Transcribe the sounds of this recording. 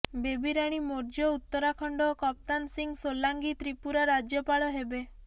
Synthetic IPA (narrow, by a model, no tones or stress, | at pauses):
bebiɾaɽ̃imoɾd͡ʒjɔut̪ːɔɾakʰɔɳɖɔkɔp̚t̪ansiŋɡsolaŋɡit̪ɾipuɾaɾad͡ʒjɔpaɭɔɦebe